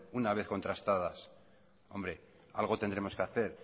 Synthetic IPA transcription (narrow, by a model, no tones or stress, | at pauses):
unaβ̞e̞θko̞nt̪ɾast̪aðas | o̞̰mbɾe̞ | a̰lɣ̞o̞t̪end̪ɾe̞mo̞skeaθe̞ɾ